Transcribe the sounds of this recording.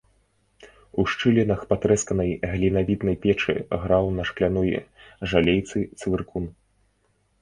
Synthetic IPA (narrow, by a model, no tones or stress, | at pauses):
uʂt͡ʂɨlʲɛnɐxpat̪ɾɛskɐnɐjɣlʲinavʲid̪nɐjpʲɛt͡ʂɨ̰ɣɾawnɐʂklʲanɔjʐalʲejt̪sɨt̪svʲɨrkun